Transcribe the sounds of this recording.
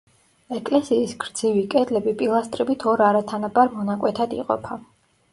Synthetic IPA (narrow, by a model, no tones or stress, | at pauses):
ɛkʼlɛsiːsɡɾd̪z̥ivikʼɛd̪lɛbipʼilˠast̪ʼɾibit̪ʰɔɾaɾat̪ʰanabaɾmɔnakʼwɛt̪ʰad̪ḭqʼɔ̰pʰa